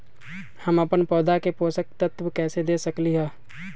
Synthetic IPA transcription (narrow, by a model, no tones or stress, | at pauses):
həməpənpɔːd̪akepoːsək̚t̪ət̪wəkɛːsed̪eːsəkliɦɛː